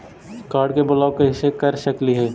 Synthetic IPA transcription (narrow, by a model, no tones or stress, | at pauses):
kaːɾɖkebʊlaːokeɦɪsːekɐɾʃəkliɦɛː